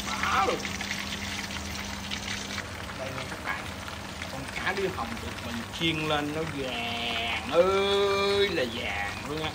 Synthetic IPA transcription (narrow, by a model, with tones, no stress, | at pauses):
ʔaː˨˦l | ɗə˧jnɔ˨˦t̪ʰa˦˥k̚la̰ː˨˩˨ | kɔ˧˩nkaː˨˦ɗi˨˧ha˨˩wŋ͡mɗɨ˨˩ək̚mï˨˩ŋ̟t͡ɕi˧əŋle˧nːɔ˨˦za˨ | ŋʔəː˧jlaː˨˩zaː˨˩ŋlu˧ənʔaː˨˦